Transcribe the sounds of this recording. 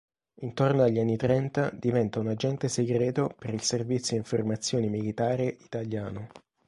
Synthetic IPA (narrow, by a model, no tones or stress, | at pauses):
int̪ornoaʎːianːit̪ɾɛnt̪ad̪ivɛnt̪aunad͡ʒɛnt̪eseɡɾɛːt̪opeɾilservit̪sːjoiɱformat̪sːjoːnimilit̪aːɾeʔit̪aljaːno